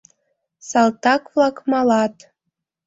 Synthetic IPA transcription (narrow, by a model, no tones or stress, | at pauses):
sɑlt̪ɑkvlɑkmɑlɑt̪